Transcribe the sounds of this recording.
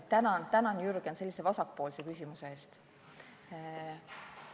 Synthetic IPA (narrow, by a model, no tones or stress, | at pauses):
t̪ænɑnt̪ænɑnjuɾɡ̥ense̞lːise̞vɑsɑk̚po̞ːlse̞kysʲimuse̞e̞ːst̪